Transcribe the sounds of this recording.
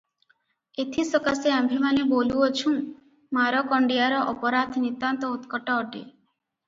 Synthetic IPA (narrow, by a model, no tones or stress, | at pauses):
et̪ʰisɔkaseambʱimaneboluot͡ʃʰũ | maɾɔkɔɳɖijaɾɔʔɔpɔɾad̪ʱnit̪ant̪ɔut̪kɔʈɔːʈḛ